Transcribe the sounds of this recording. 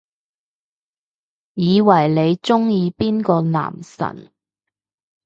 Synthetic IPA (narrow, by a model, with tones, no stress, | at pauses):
jiː˨˧wɐ˨˩jle˨˧jt͡sʊ˥ŋjiː˧piː˥nkɔː˧na̰ː˨˩msɐ̰˨˩n